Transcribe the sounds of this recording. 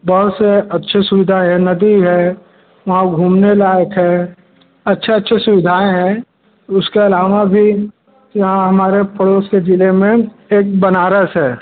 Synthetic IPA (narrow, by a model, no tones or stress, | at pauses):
bɔɦʊt̪seɐtːʃʰesʊʋɪd̪ʱaẽɦɛ̃nɐd̪iɦɛː | ʋɐɦãɡʱũːmnelaːjəkɦɛː | ɐtːʃʰeɐtːʃʰesʊʋɪd̪ʱaːẽɦɛ̃ | ʊskeɐlaːʋabʱi | jɐɦãɦɐmaːɾepɽoːsked͡ʒɪlemẽ | eːk̚bɐnaːɾəsɦɛː